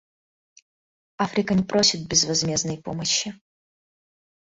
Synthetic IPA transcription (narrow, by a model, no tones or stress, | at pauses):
afɾʲɪkənʲɪpɾʔo̞sʲɪt̪̚bʲɪzvɐzmʲe̞znəjpo̞̰məɕːɪ